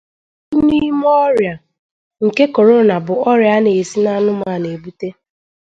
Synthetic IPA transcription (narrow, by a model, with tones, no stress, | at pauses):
u˦ni˦mɔ˦ɾja˨ | ŋ̩˨ke˦ko˨ɾo˦na˨bʊ˨ɔ˦ɾja˦ne˨si˦na˦nʊ˦maː˨ne˨bu˦te˦